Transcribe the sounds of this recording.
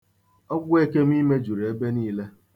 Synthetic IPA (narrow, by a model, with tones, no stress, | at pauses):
ɔ˦ɡʷʊ˦e˦ke˦m̩˦i˦me˦d͡ʒu˨ɾe˦be˦niː˦le˦